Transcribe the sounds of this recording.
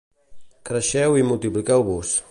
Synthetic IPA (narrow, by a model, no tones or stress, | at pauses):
kɾəʃɛwimulˠt̪iplikɛwβus